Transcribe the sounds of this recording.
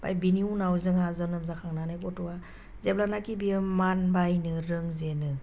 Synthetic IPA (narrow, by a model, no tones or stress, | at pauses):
b̥a̰jbiniunawzɯŋazɔnɯmzakʰaŋnanɯjkɔtɔwa | zeblanakibiɯmanbajnɯɾɯŋzenɯ